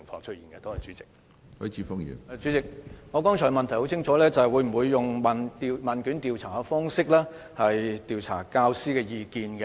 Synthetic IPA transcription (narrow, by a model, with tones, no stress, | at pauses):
ɪ˨˩ŋfɔː˧ŋt͡ʃʰɵ˥t̚iː˨˩nkɛ˧t̪o˥ɛ˨jt͡ʃyː˨˥t͡sɪ̥˨k̚ | hɵ˨˥t͡sʰiː˨˧fʊ˥ŋjḭː˨˩n˧t͡ʃyː˨˥t͡sɪ˨k̚ŋɔ˨˧kɔː˥ŋt͡ʃʰɔ˨˩mɐ˨nt̪ʰɐ˨˩jho˨˥wt͡sʰɪ˥ŋt͡ʃʰɔː˨˥lɛː˥t͡sɐ˨hɛ˨jwu˨˧˥m̩˨˩wuː˨˧jːʊ˨ŋma˨˩nt̪i˧maː˨nky˨˥nt̪iː˨˧wt͡sʰaː˨˩˧fɔː˥ŋsɪ˥k̚lɛː˥ | hɐ˨jt̪iː˨wt͡sʰa̰ː˨˩kaː˧wsiː˥kɛː˧jiː˨˧kiː˨nkɛ˧